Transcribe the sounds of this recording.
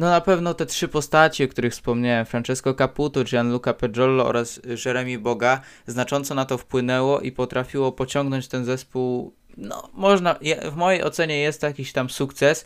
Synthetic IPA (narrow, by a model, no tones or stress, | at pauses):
nɔnapɛvn̪ɔt̪ɛtʂɘpɔst̪at͡ɕiɔkt̪uɾɘxfspɔmɲawɛmfɾant͡ʂɛskɔkaput̪ɔʈ͡ʂjanlukapɛʐɔlːɔɔ̰ɾasʐɛɾɛmʲibɔɡa | znat͡ʂɔnt̪sɔnat̪ɔfpwɘnɛwɔʔipɔt̪ɾafʲiwɔpɔt͡ɕɔŋɡnɔɲt͡ɕt̪ɛnzɛspuw | nɔ̰mɔʐnajavmɔjejʔɔt̪sɛɲɛjɛst̪jakʲiɕt̪amsukt̪sɛs